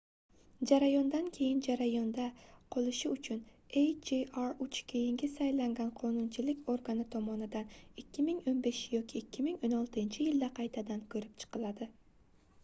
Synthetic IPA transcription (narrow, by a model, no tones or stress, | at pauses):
d͡ʒaɾajɒnd̪ankʲʰe̞jɪnd͡ʒaɾajɒnd̪aqʰolˠɪʃɪʊt͡ʃʰʊn | ejd͡ʒeɑɾʊt͡ʃkʲʰe̞jɪŋɡʲɪsajlaŋɡʲanqʰonʊnt͡ʃʰɪlɪkʲoɾɡanɪt̪ʰɒmɒnɪd̪anɪkʲʰːɪmɪŋonbe̞ʃjɒkʲiːkʲʰːɪmɪŋonɒlˠt̪ɪnt͡ʃʰɪjɪld̪aqʰɑjt̪ʰad̪ankʲʰɵɾɪp̚t͡ʃʰɨ̥qɨlˠad̪ɪ